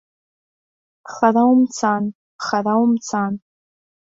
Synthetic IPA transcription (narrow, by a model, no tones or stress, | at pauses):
χarawmt͡sʰan | χarawmt͡sʰan